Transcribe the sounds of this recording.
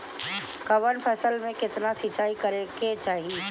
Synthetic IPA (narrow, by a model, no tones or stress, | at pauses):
kɐʋənpʰɛːsəlmẽkɪt̪nasit͡ʃaːikɐɾeket͡ʃaːɦieː